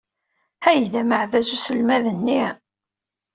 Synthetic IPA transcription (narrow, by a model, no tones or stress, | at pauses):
æjðæməʕðæzusəlmæðənːi